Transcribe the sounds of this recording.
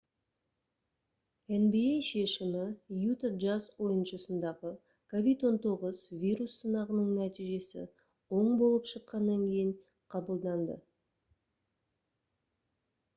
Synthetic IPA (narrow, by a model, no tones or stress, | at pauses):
enbiejʃe̞ʃɪmɪjut̪aʒazwo̞jənʃəsənd̪ɑʁə | kʰo̞vʲid̪wo̞nt̪o̞ʁəzvʲijɾusːənɑʁənəɴnæt̪ijʒe̞sɪ̰ | wo̞ɴbo̞lˠəpʃəqːɑnːɑŋkʲʰe̞jɪɴ | qʰɑbəlˠd̪ɑnd̪ə̰